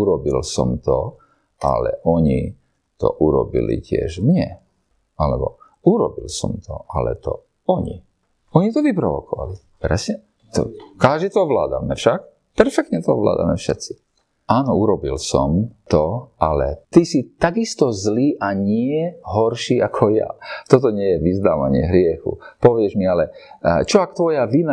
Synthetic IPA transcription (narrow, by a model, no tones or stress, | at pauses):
uɾɔbḭlsɔ̰mt̪ɔ | a̰lɛ̰ʔɔɲi | t̪ɔ̰ʔuɾɔbḭlḭcɪɛ̰ʒmɲɛ | alɛbɔ | uɾɔbilsɔmt̪ʰɔʔalɛ̰t̪ɔ̰ | ɔɲḭ | ɔɲit̪ɔʋipɾɔʋɔkɔʋa̰li | pɾɛsɲɛ | t̪ɔ̰kaʒd̪it̪ɔɔʋla̰ːd̪a̰mɛfʃak | pɛɾfɛk̚t̪ɲɛt̪ɔɔ̰ʋla̰ːd̪a̰mɛfʃɛt̪t͡si̥ | ʔaːnɔuɾɔbḭlsɔ̰mt̪ɔalɛ̰t̪isit̪aɡist̪ɔzliːʔaɲɪɛɦɔɾʃiːakʰɔja̰t̪ɔt̪̬ɔɲɪɛjɛʋiznaːʋa̰ɲɪɛ̰ɦɾɪɛxṵpɔʋɪɛʒmialɛt͡ʃɔakt̪ʋɔjaʋina